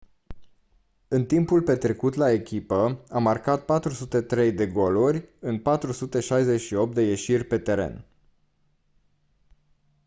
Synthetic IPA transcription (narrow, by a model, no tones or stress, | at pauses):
ɨnt̪impulpe̞t̪ɾe̞kut̪lae̞kʲipəamarkat̪̚pat̪ɾusut̪e̞t̪ɾe̞jd̪e̞ɡo̞lurʲɨnpat̪ɾusut̪e̞ʃajze̞t͡ʃʃio̞p̚t̪d̪eje̞ʃirʲpe̞t̪e̞ɾe̞̰n